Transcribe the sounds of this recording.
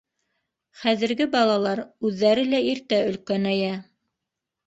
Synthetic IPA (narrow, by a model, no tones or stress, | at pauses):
χæðɘ̆ɾɡɘbɑlˠɑlˠɑɾʉðːæɾɘlæiɾt̪æɵ̆lkænæjæ